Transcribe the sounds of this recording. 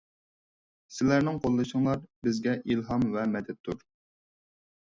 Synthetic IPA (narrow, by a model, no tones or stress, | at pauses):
sɪlæɾnɪŋqʰolˠːɨʃəŋlˠɑɾbɪzɡʲɛʔilɦɑmvɛmɛd̪ɛt̪ʰːuɾ